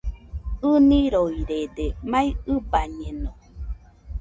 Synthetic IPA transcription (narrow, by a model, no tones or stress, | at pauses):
ɯnĩɾoiɾed̪emãĩɯbaɲẽnõ